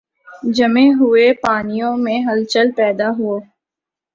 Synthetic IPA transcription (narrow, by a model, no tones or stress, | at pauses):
d͡ʒɐmẽɦʊepaːnijõmẽɦɐlt͡ʃəlpɛːd̪aɦʊoː